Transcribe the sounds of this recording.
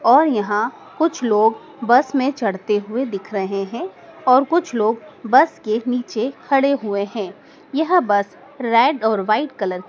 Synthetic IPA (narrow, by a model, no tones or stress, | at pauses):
ɔːɾjɐɦã | kʊt͡ʃʰloːɡ | bɐsmẽt͡ʃɐɽ̤t̪eɦʊed̪ɪkʰɾɐɦeɦɛ̃ːɔːɾkʊt͡ʃʰloːɡbɐskeniːt͡ʃekʰɐɽeɦʊeɦɛ̃ː | jɐɦbɐs | ɾɛːɖɔːɾʋaːɪʈ̚kɐləɾ